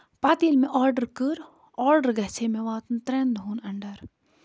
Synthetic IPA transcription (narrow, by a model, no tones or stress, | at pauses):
paːt̪iːlmẽʔɔːɾɖəɾkɨɾ | ɔːɾɖəɾɡɐɦt͡ʃʰemẽʋaːt̪nt̪ɾend̪ɦuːnɐɳɖəɾ